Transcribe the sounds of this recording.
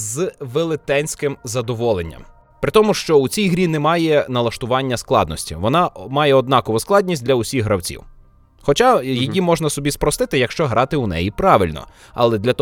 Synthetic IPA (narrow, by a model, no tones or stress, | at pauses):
zʋelˠɪt̪ɛnʲsʲkɪmzɐd̪ɔʋɔlˠenʲːɐ̰m | pɾɪt̪ɔmʊʃt͡ʃɔut͡sʲijɦɾʲinɛmɑjɛnɐlˠɐʃt̪ʊʋɑnʲːɐsklˠɑ̰d̪nɔsʲtʲḭʋɔnɑmɑjɛɔd̪nɑkɔʋʊsklˠɑdʲnʲis̬ʲt̚ʲdlʲɐʊsʲiɣɦɾɐwt͡sʲḭw | xɔt͡ʃɑjijimɔʒnɐsɔbʲispɾɔst̪ɪt̪ɪjɐkʃt͡ʃɔɦɾʔɑt̪ɪunɛ̰jipɾɑʋɪlʲnɔ̰ | ɐ̰lˠɛd̪lʲɐt̪